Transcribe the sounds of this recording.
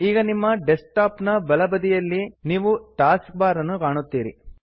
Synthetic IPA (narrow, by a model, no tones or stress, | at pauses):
iːɡɐnimːɐɖesʈaːpnɐbɐlɐbɐd̪ijɐlːiniːʋuʈaːsk̚baːɾɐnːukaːɳut̪ːiːɾḭ